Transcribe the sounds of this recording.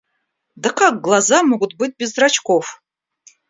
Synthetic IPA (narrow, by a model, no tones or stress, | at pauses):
d̪ɨqʰak̚ɡlˠazamuɡʷd̪̚bɨt̪̚ʲbʲɪzdrat͡ʃʰkʷʰof